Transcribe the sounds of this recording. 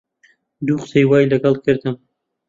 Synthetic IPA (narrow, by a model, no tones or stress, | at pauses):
d̪uːqsejwɑːjlɐɡɐlˠɡɨɾd̪ɨm